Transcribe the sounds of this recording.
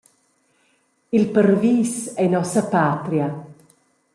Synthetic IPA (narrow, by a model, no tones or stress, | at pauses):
ilpərviːsɛnɔsapaːt̪ɾja